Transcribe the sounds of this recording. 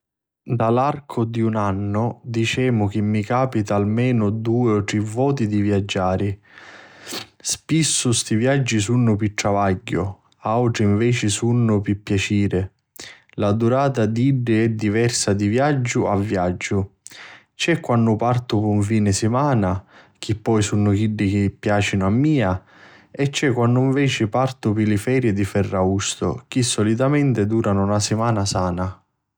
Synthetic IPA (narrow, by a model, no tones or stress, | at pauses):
d̪alarkʰʊd̪iunanːʊd̪it͡ʃɛːmʊk̟ɪmːikaːpit̪aːlmɛːnʊd̪uːɪɔt̪ɾɛvːɔːt̪̬id̪ivjad͡ʒːaːɾi | spisːʊst̪ivjad͡ʒːisunːʊpiʈ̪ːɾavaɟːʊ | awʈɾɪiɱvɛːt͡ʃɪsunːʊpipːjat͡ʃiːɾɪ | lad̪uɾaːt̪ad̪iɖːɪɛd̪ːivɛrsad̪ivjad͡ʒːʊavːjad͡ʒːʊ | t͡ʃɛkːwanːʊpart̪ʊpuɱfiːnɪsɪmaːna | k̟ʰipːɔjsunːʊkiɖːɪk̟ɪpːjaːt͡ʃinʊamːiːa | ɛt͡ʃːɛkːwanːʊiɱvɛːt͡ʃɪpart̪ʊpilɪfɛːɾjɪd̪ifɛrːaust̪ʊ̰kisːɔlit̪amɛnt̪ɪd̪uːɾanʊnasɪmaːnasaːna